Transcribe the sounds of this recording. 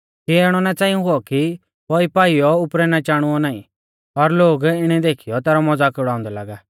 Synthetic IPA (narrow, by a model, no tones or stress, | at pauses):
kiɛːɽ̃ɔnat͡sãːĩũɦʊɔki | pɔːipaːijɔʊpɾɛnat͡ʃaːɽ̃ʊɔnaːḭ̃ | ɔɾloːɡɪɽ̃ɛd̪eːkʰijɔt̪ɛːɾɔmɔd͡zaːkʊɽaːʊ̃nd̪ɛla̰ːɡaː